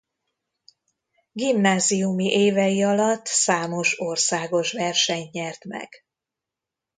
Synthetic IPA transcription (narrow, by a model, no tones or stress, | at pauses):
ɡimnaːzijumiʔeːvɛjiɒlɒt̪ːsaːmo̞ʃorsaːɡo̞ʃʋɛrʃɛɲɲɛrt̪mɛ̰ɡ̥